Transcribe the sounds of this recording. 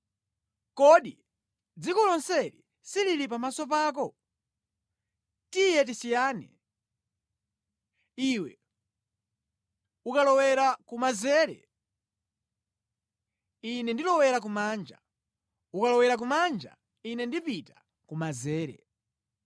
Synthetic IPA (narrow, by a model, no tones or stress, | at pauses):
kɔɗi | d͡zikɔlɔnsɛɾḭ | siliɾip̬amasɔpaːk̬ɔ | tijɛt̬isijaːnɛ̰ | iwɛ | ukalɔwɛɾakumazɛːɾɛ̰ | inɛndilɔwɛɾak̬umaːnd͡ʒa̰ | ukalɔwɛɾak̬umand͡ʒa̰ | inɛndipita | kumazɛːɾɛ̰